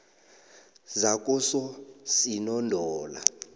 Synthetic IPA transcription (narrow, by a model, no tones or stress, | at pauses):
zak̬ʼusɔsinɔndʱɔːla̰